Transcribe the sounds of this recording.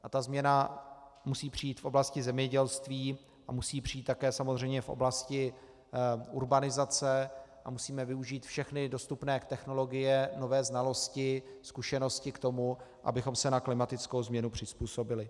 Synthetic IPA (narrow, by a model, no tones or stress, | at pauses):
ʔat̪azmɲɛnamusiːpr̝̥ɪiːt̪fʔo̞blascɪzɛmɲɛɟɛlst̪viː | ʔamusiːpr̥iːt̪ːakɛːsamozr̝ɛjmɲɛfʔo̰blascɪ | uɾbanɪzat͡sɛʔamusiːmɛvɪuʒiːt̪fʃɛxnɪdo̞st̪upnɛːt̪ɛxno̞lo̞ɡɪjɛno̞vɛːznalo̞scɪskuʃɛno̞scɪkt̪o̞muʔa̰bɪxo̞msɛnaklɪmat̪ɪt͡skowzmɲɛnupr̝̥ɪspuːso̞bɪlɪ